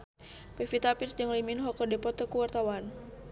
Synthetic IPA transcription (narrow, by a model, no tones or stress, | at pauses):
pɛfit̪apisd͡ʒəŋliminɦɔkɔdɛpɔt̪ɔkuwart̪awan